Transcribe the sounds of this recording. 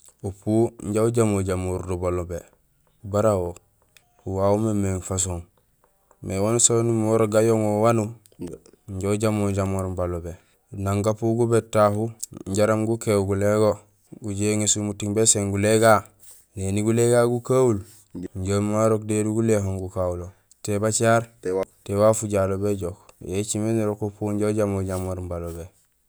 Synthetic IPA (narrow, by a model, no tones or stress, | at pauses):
upuːɲɟauɟamoɟamuɾdubalobe | ubaɾawo | huwaumemeŋfas̬oŋ | mewansonimoɾoɡajoŋowanu | ɲɟauɟamoɟamoɾbalobe | naŋɡapuɡubetːahuɲɟaɾamɡukeɡuleɡo | ɡuɟeŋesumutiŋbeseŋɡuleɡa | neniɡuleɡaːɡukaul | ɲɟomaɾok̚deduɡulehoŋɡukaulo | tebat͡ʃaːɾtewafuɟalobeɟokjet͡ʃimeniɾokopuɲɟoɟamoɟamoɾmbalobe